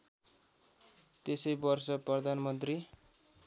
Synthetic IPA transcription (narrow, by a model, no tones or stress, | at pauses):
t̪esʌjbʌrsʌprʌd̪ʱanmʌnt̪ri